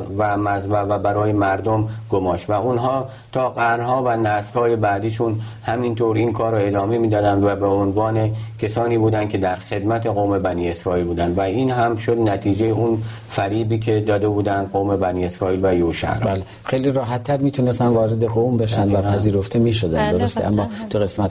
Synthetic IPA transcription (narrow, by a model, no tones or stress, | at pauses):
væmæzævæbæɾɒːje̞mæɾd̪omɡomɒːʃvæunɦɒː | t̪ʰɒːɡæɾnhɒːvænæshɒːje̞bæd̪iːʃunhæmint̪ʰoɾinkʰɒːɾoe̞d̪ɒːmemiːd̪ɒːd̪ænd̪væbeonvɒːne̞cʰe̞sɒːniːbuːd̪ænd̪̚cʰe̞d̪æɾxe̞d̪mæt̪ʰe̞ɣoːme̞bæniːe̞sɾɒːiːlbuːd̪ænd̪væiːnɦæmʃod̪næt̪ʰiːd͡ʒejeʔun | fæɾiːbiːkʰe̞d̪ɒːd̪e̞buːd̪ænd̪ɢoːme̞bæniːe̞sɾɒːiːlvæjoʃæ̰ɾæle | xejliɾɒːɦæt̪ʰːæɾmiːt̪ʰunest̪ænvɒːɾed̪eɣombeʃændvæpʰæziːɾoft̪ʰemiːʃod̪æ̰nd̪d̪oɾost̪eʔæ̰mːɒːt̪ʰuɣesmæt̪